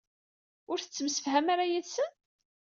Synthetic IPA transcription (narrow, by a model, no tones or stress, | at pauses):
ʊɾθə̥t͡sːəmsə̥fɦæmaɾajiðsən